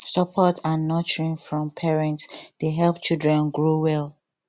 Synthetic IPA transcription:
sɔpʰɔtãnːɔt͡ʃəɹĩnfɹɔ̃mpʰɛɹɛ̃ntsd̥eɦɛlˠpt͡ʃilˠdɹɛ̃nɡɹuwɛlˠ

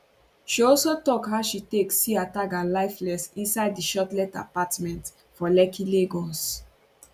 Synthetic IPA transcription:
ʃiɔlsotɔkɦaʊʃiteksiatakãlaɪflɛsĩnsaɪddiʃɔtlɛta̰patmɛ̃nt | fɔlɛkʰileɡɔs

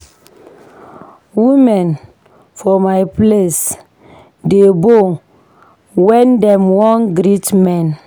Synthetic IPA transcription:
wimɛ̃n | fɔmajples | debo | wɛ̃ndɛ̃mwɔ̃nɡɾitmɛ̃n

